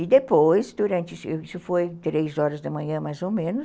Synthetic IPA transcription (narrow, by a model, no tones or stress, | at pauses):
ɪd̪epojsd̪uɾɐ̃nt͡ʃɪsisʊfojt̪ɾezɔɾɐzd̪ɐmɐ̃ɲɐ̃majzomẽnʊ